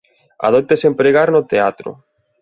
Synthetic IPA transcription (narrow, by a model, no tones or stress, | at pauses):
a̰ðop̚t̪esempɾeɣaɾnʊt̪eat̪ɾʊ̰